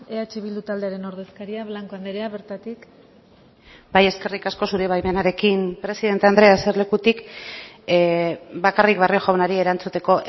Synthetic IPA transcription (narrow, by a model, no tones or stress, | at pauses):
eat͡ʃeβild̪ut̪ald̪e̞aɾe̞no̞ɾðe̞skaɾiaβlaŋko̞and̪eɾeaβeɾt̪at̪ik | baje̞ske̞rikasko̞suɾe̞βajme̞naɾe̞kimpɾe̞siðe̞nt̪and̪ɾe̞aseɾle̞kut̪ik | bakarikβario̞ʝawnaɾie̞ɾant͡sut̪e̞ko̞ʔ